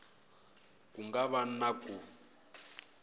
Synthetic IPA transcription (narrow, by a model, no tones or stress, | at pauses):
kuŋɡaβanakʼu